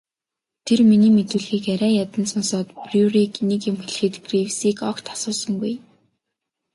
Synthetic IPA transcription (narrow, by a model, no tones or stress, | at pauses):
t̪ʰerminiːmet̪ŭːɮxiːkæɾæːjat̪ə̆nsɔnsɔːt̪prjuriknikɪ̆mxɵɮ̆xɘ̆t̪ɡriwsiːkɔkt̪ʰḁsʊːsə̆ŋɡuj